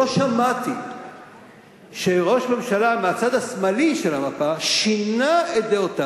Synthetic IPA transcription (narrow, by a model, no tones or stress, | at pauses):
oʃamat̪i | ʃeʁo̞ʃme̞mʃalameat͡sad̪asmaliʃelamapaʃinaetdeot̪a